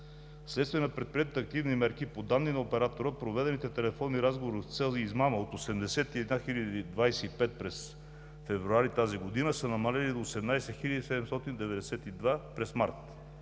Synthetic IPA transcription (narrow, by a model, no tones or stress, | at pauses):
slɛt̪st̪viɛnəpɾɛt̪̚pɾiɛt̪ət̪ɐk̚t̪ivnimɛɾkipod̪anːinɐopɛɾat̪oɾəpɾovɛd̪ɛnit̪ɛt̪ɛlɛfɔnːiɾazɡovoɾift̪sɛlˠziizmaməot̪osɛmd̪ɛsɛt̪iɛd̪naxilʲəd̪id̪vajsɛipɛt̪̚pɾɛs | fɛvɾuaɾit̪aziɡod̪inəsənɐmɐlɛlid̪oːsɛmnajsɛxilʲəd̪isɛd̪ɛmst̪ɔt̪ind̪ɛvɛd̪ɛsɛt̪id̪vapɾɛsmaɾt̪